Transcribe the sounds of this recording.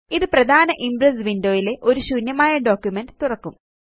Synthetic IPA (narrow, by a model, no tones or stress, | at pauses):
iðɨprɐd̪ʱaːnɐʔimbrɐs̬ʋindo̞ːjile̞ʔo̞ɾuɕunjɐmaːjɐɖoːkːjumenɖɨt̪urɐkːum